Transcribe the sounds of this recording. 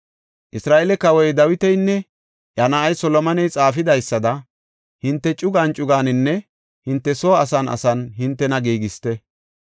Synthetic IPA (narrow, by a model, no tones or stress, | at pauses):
ʔɪsɾaːʔɛlɛkɐwɔjd̪ɐwɪt̪ɛjnːɛ | jɐnɐʔɐjsɔlɔmɐnɛjt͡sʼaːfɪd̪ɐjsːɐd̪ɐ | hɪnt̪ːɛt͡ʃʼʊɡaːnt͡ʃʼʊɡaːnɪnːɛ | hɪnt̪ːɛsoːɐsɐnɐ̰sɐnɦɪnt̪ːɛnɐɡiːɡɪst̪ɛ